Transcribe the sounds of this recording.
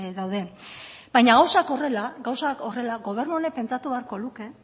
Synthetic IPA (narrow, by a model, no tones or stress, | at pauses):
ðawðe̞ | bajɲaɣawsako̞re̞laɡawsako̞re̞laɡo̞β̞e̞ɾnuonepe̞nt͡sat̪uβeaɾko̞luke̞